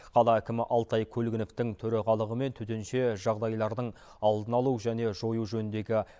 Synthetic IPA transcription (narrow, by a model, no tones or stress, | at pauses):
qʰɑlˠɑækʲɪmɪʔɑlˠt̪ɑjkʲʰɵlɡʲɪnoft̪ɪŋt̪ʰɵɾɑʁɑlˠəʁəme̞nt̪ʰɵt̪enʃe̞ʒɑʁd̪ɑjlˠɑɾd̪əɴ | ɑlˠd̪ənɑlˠuʒæne̞ʒo̞juʒɵnɪnd̪e̞ɡʲɪ